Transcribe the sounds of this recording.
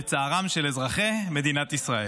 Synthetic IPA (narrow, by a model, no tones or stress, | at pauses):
t͡saːʁamʃelezʁaχeme̞d̪inat̪isʁae